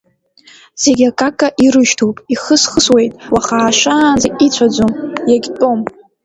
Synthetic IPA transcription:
z̥e̞ɡʲakʼakʼaʔiɾɨʃtʰowpʼiχəsχəswe̞jtʼwaχaːʂanzait͡ɕʷʰad͡zʷomjaɡʲtʼo̞m

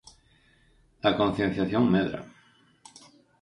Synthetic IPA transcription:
lakon̟θjen̟θjaθjoŋmeðɾa̰

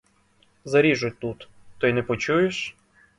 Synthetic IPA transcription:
zɐɾʲiʒʊt̪ut̪ | t̪ɔjnɛpɔt͡ʃujeʃ

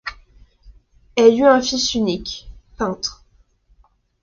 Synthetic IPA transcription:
ɛlyɛ̃fisynikpɛ̃t̪χ

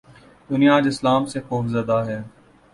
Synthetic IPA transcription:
d̪ʊnijaːd͡ʒɪslaːmsexoːfzɐd̪aɦɛː

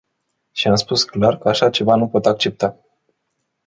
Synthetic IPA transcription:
ʃiamspusklarkəaʃat͡ʃe̞vanupo̞t̪ak̚t͡ʃe̞p̚t̪a

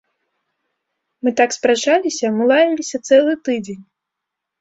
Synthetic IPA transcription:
mɨt̪akspɾat͡ʂalʲisʲɐmɨlˠavʲilʲisʲɐt̪sɛlˠɨt̪ɨd͡zʲenʲ

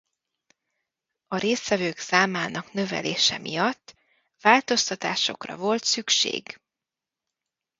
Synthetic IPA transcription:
ɒɾeːsʋɛvøːɡsaːmaːnɒknø̞vɛ̰leːʃɛmijɒt̪ː | vaːlt̪o̞st̪ɒt̪aːʃo̞̰krɒ̰vo̞lt̪sykʃḛːɡ

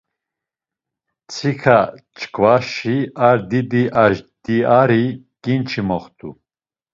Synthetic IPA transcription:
t͡sʰikʰat͡ʃʰʼkʰvaʃiaɾd̪id̪iʔaʒd̪̥iaɾi | kʼint͡ʃʰimɔχt̪ʰʼṵ

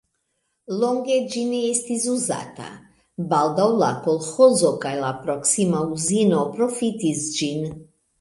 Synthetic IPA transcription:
lɔŋɡed͡ʒiniest̪izuza̰t̪a̰ | bald̪aulakolxɔzokajlapɾɔksimauzinopɾɔfit̪izd͡ʒin

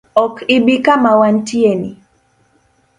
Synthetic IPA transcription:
ɔkibikamawantieni

